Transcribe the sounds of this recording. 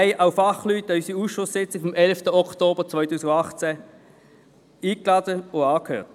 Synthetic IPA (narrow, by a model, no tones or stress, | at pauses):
aɪʔaʊfɑχlytːysiuːsʃʊsːɪt͡sɪfɔmʔɛlftəɔktoːb̥əʁt͡svɔʏtuːsɪɡɑχt͡sɛ | iːklɑːdəoɑːkhøːt